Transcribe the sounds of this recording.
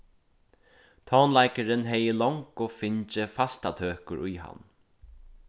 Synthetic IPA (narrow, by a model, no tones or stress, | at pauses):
t̪ʰɔːnlajkəɾɪnɦɛjəlɔŋkoːfɪɲt͡ʃɪfast̪at̪ʰøːkʊɾʊjha̰n